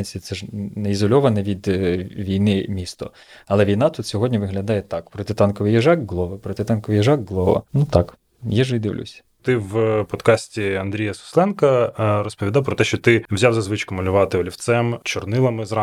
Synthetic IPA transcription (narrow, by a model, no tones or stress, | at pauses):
nʲsʲit̪sɛʒnɛizɔlʲɔʋɐnɛʋʲid̪ʋʲijnɪmʲist̪ɔ | ɐlˠɛʋʲijnɑt̪ut̪sʲɔɦɔdʲnʲiʋɪɦlʲɐd̪ɑjɛt̪ɑkpɾɔt̪ɪt̪ɑnkɔʋɨjɛʒɑkɡlˠɔʋɐpɾɔt̪ɪt̪ɑnkɔʋɪjɛʒɑkɡlˠɔʋɐ̰nut̪ɑk | jiʒʋɪd̪ɪ̰ʋlʲʊ̰sʲɐ̥t̪ɪwpɔd̪kɑsʲtʲiɐnd̪ɾʲijɐsʊ̥slˠɛnkɐrɔspɔʋʲid̪ɑwpɾɔt̪ɛʃt͡ʃɔt̪ɪwzʲawzɐzʋɪt͡ʃkʊmɐlʲʊʋɑt̪ɪɔlʲiwt̪sɛmt͡ʃɔrnɪlˠɐmɪzɾɑ